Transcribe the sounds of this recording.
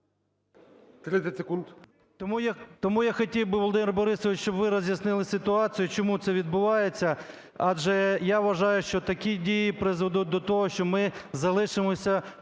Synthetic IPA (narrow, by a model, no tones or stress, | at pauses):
t̪ɾɪt̪ʲɛtʲsekund̪ | t̪ɔmujt̪ɔmujaxɐtʲiwbɪʋɔlˠɔd̪ɪmerbɔɾɪsɔʋɪt͡ʃt͡ʃɔbʋɪɾɔzʲjɐsnɪlˠɪsɪt̪ʊɑt͡sʲijʊt͡ʃɔmut̪sɛʋʲid̪̚bʊʋɑjet͡sʲːɐ | ɑd͡ʒɛjaʋʋɐʒɑjʊʃt͡ʃɔt̪ɐkʲidʲijipɾɪzʋɔd̪ud̪ɔt̪ɔɦɔʃt͡ʃɔmɪzɐlˠɪʃɪmɔsʲɐ